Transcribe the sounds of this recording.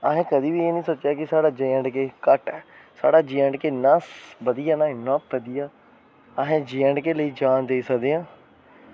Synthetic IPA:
aɦẽːkəd̪iːbiːeːnĩːsoːt͡ʃjaːkɪsaːɽaːd͡ʒeːəɳɖkeːkəʈɛː | sa̰ːɽaːd͡ʒiːəɳɖkeːnəsbəd̪ijaːnãːɪnːãːbəd̪ijaː | əɦẽːd͡ʒiːəɳɖkeːləiːd͡ʒaːnd̪eiːsəkd̪eːãː

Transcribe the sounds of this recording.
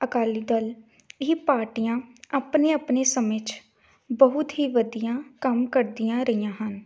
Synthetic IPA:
əkaːliːd̪əl | iːpaːɾʈijãːaːpneːaːpneːsəmẽːt͡ʃ | bəɦʊt̪ɦiːʋəd̪ijãːkəmkəɾd̪ijãːɾəijãːɦən

